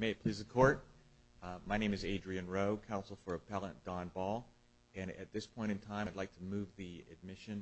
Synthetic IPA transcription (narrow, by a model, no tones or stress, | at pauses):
meɪɨt̚pʰl̥izɨkʰɔɹt̚ | maɪnẽɪ̃mɨzeɪdɹiɨ̃nɹoʊkʰãʊ̃nsl̩ˠfə˞ɨpʰɛlˠə̃nd̥ɑ̃nbɔlˠ | ɨ̃ɾɨ̰t̪̚ðɪspʰɔ̃ɪ̃ɾ̃ɨ̃ntʰãɪ̃dˡlaɪk̚tʰəmʉvðiɨ̰d̚mɪʃɨ̃n